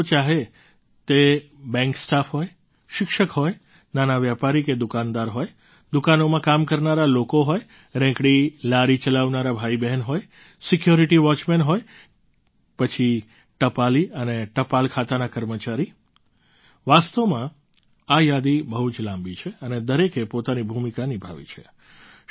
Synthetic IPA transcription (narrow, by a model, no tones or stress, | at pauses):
t͡ʃaɦe | t̪ebɛ̃ŋksʈafɦoj | ʃɪkʃəkɦoj | nanaʋjapaɾiked̪ʊkãnd̪aɾɦoj | d̪ukanomãkamkəɾnaɾalokoɦoj | ɾɛ̃kɽilaɾit͡ʃəlaʋnaɾabʱaibɛɦnɦoj | sɪkjoɾiʈiʋɔt͡ʃmɛnɦoj | pət͡ʃʰi | ʈəpaliəneʈəpalkʰat̪anakəɾmət͡ʃaɾi | ʋast̪omã | ajad̪ibəɦut͡ʃlãmbit͡ʃʰeəned̪əɾekepot̪anibʱumikanibʱa̰ʋḭt͡ʃʰe